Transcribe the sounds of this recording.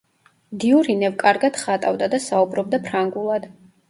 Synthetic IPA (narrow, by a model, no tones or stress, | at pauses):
d̪iuɾinɛvkʼaɾɡad̪̥χat̪ʼavd̪ad̪asaubɾɔb̚d̪apʰɾaŋɡulˠad̪